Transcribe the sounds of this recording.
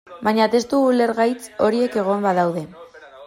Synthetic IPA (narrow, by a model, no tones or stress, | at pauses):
baɲat̪e̞st̪uɣule̞ɾɣajt͡so̞ɾie̞ke̞ɣ̞o̞mbaðawðe̞